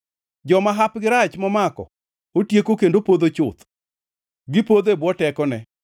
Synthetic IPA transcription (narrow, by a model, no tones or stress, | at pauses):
d͡ʒɔmaɦapɡɪɾat͡ʃmɔmakɔ̰ | otjekokendopod̪ot͡ʃʊt̪ | ɡɪpod̪ebwɔtɛkɔnɛ